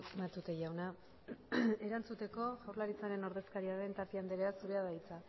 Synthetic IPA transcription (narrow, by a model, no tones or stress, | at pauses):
mat̪ut̪e̞ʝawna | e̞ɾant͡sut̪e̞ko̞ʝawrlaɾit͡saɾe̞no̞ɾðe̞skaɾiaɾe̞nt̪aɾt̪iand̪eɾeasuɾe̞aðajt͡sa